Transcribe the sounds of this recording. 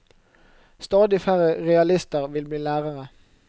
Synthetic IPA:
st̪ɑːd̪ɪfæʁəʁɛɑlɪst̪əʁʋɪlbliːlæːʁəʁə

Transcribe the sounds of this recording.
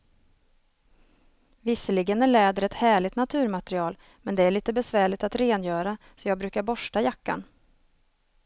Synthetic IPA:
vɪsəlɪɡənæɭɛːd̪əɾɛt̪hæːɭɪt̪nat̪ʰʉ̟ːɾmat̪ɛɾɪɑːl | mɛnd̪ɛæɭiːt̪əbɛsvæːɭɪt̪at̪ɾeːnjœːɾa | sɔjɑːɡ̚bɾʉ̟ːkaɾbɔʂʈajakːa̰n

